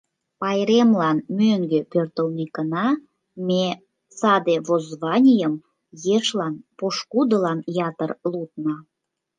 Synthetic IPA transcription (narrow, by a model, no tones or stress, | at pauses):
pɑjɾemlɑnmøŋɡøpørt̪əlnikənɑ | me | sɑd̪eβozβɑnʲijəm | jeʃlɑnpoʃkud̪əlɑnjɑt̪ərlut̪̚nɑ